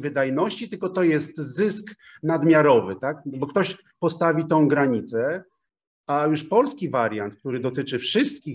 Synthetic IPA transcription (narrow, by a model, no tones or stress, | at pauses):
vɘd̪ajnɔɕt͡ɕit̪ɘlkɔt̪ɔjɛst̪zɘsk | nad̪mʲjaɾɔvɘt̪akbɔk̚t̪ɔɕ | pɔst̪avʲit̪ɔ̃w̃ɡɾaɲit̪sɛ | ajuʂpɔlskʲivaɾʲjant̪k̚t̪uɾɘd̪ɔt̪ɘt͡ʂɘfʂɘst̪̚kʲi